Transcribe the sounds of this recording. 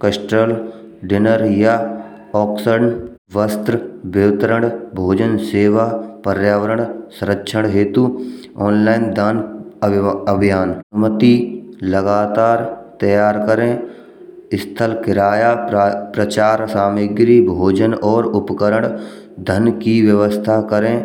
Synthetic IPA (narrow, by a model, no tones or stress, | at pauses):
kəsʈəl | ɖɪnəɾja | ɔːksəɽn | ʋəst̪ɾbɪʋt̪əɾəɳ̃ɽbʱoːd͡ʒənseːʋapəɾjaːʋəɾəɳsʊ̃ɾəkːʃʰəɽ̃ɦeːt̪u | ɔːnlaːɪnd̪aːn | əbʱijaːnmət̪iləɡaːt̪aːɾt̪ɐjaːɾkəɾẽː | ɪst̪ʰəlkɪɾaːjapɾət͡ʃaːɾsaːmɪɡɾibʱoːd͡ʒənɔːɾʊpkəɾəɽ̃ | d̪ʱənkiʋjəʋəst̪ʰakəɾẽː